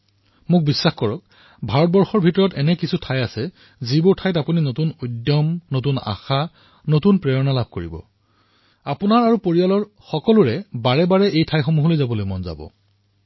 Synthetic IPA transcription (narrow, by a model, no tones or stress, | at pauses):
mʊk̚bisːaxkɔɹɔk̚ | bʱaɹɔt̚bɔɹxɔɹbʱitɔɹɔtɛnɛkisʰutʰajasɛ | zibʊɹtʰajtapuninotunojdjɔmnotuna̰xa | notunpɹɛɹɔnalab̚ʱkoɹḭbɔ̰ | apʊnaɹaɹupoɹialɔɹ | xɔkɔluɹɛbaɹɛbaɹɛʔejtʰajxomuɦɔlojzabɔlojmɔnza̰bɔ̰